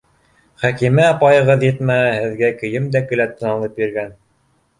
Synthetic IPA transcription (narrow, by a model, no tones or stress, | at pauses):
χækimɘɑpɑjɤ̆ʁɤðjɘt̪mæhæhɘ̆ðɡækɵ̆jɘmd̪ækɘ̆læt̪ːɤ̆nɑnˠɤpjĭɾɡæn